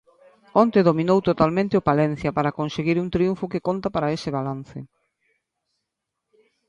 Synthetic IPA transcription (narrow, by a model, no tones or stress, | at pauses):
ont̪eðomĩnowt̪ot̪almẽnt̪ɪopalɛn̟θjapaɾakonseɣiɾunt̪ɾiuɱfʊkekont̪apaɾaesɪβalan̟θɪ̰